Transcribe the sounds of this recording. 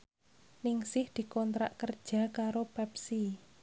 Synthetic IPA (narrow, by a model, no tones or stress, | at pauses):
nɪŋsɪhd̪̥i̤kɔnt̪ɾa̰ʔkərd̥ʒ̥a̤kaɾopɛpsi